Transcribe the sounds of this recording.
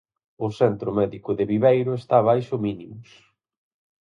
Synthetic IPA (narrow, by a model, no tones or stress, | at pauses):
ʊsɛnt̪ɾʊmɛðikʊðɪβiβejɾʊest̪aβ̞ajʃʊminimʊs